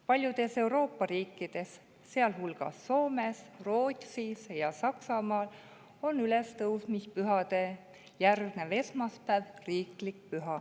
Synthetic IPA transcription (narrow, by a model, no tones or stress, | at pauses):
pɑlʲjud̪̥e̞se̞uɾo̞ːpːɑɾiːkːid̪̥e̞sː | e̞ɑlɦulɡ̥ɑ̰sːo̞ːme̞sro̞ːt̪ʲsisjɑsɑksɑmɑːl | o̞nyle̞st̪ɤwsmispyɦɑd̪̥e̞ | jærɡ̥ne̞ve̞smɑspæːvriːklik̚pyɦɑ